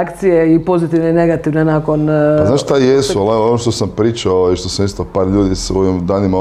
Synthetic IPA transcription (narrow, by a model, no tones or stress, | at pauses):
kt̪sijeipo̞zit̪iʋneine̞ɡat̪iʋnenako̞naznaʃʃt̪ajesualaonoʃt̪osampɾiːt͡ʃaoiʃt̪osamist̪opaːɾʎuːd̪isoʋimd̪aːnima